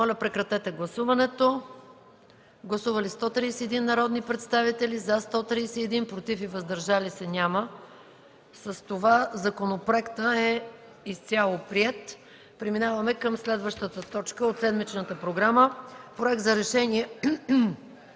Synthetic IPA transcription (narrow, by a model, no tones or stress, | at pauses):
mɔlʲəpɾɛkɾɐt̪ɛt̪ɛɡlˠɐsuvɐnɛt̪o | ɡlˠɐsuvəlist̪ɔt̪ɾiːsɛɛd̪inːɐɾɔd̪nipɾɛt̪st̪avit̪ɛlizɐst̪ɔt̪ɾisɛɛd̪inpɾot̪ifivɐzd̪ɐɾʒalisɛnʲamə | səst̪ovazɐkonopɾoɛkt̪əɛ | ist̪ʲjalˠopɾiɛt̪ | pɾɛminavɐmɛkəmslɛd̪vəʃt̪ət̪ət̪ɔt͡ʃkəot̪sɛd̪mit͡ʃnət̪əpɾoɡɾaməpɾoɛk̚t̪zɐɾɛʃɛniɛ